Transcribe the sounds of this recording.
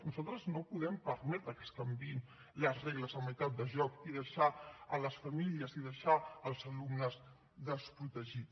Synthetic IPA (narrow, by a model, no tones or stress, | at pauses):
nuzalˠt̪ɾəznopuðɛmpəɾmɛt̪ɾəkəskəmbiin | ləzreɣləzəməjt̪at̪̚d̪əʒɔk̚iðəʃaələsfəmiliəziðəʃaəlˠzəlumnəz | ðəspɾut̪əʒit̪